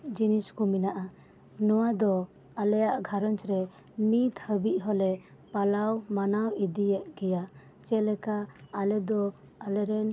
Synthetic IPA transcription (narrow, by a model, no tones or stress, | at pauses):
d͡ʒiniskuminaʔa | nɔwad̪ɔ | alɛjaʔɡʱaɾɔnt͡ʃɾɛ | mit̪həbiʔ̚ˀɦɔlɛ | palawmanawid̪ijɛʔɡɛja | t͡ʃɛlɛkaːlɛd̪ɔ | alɛɾɛn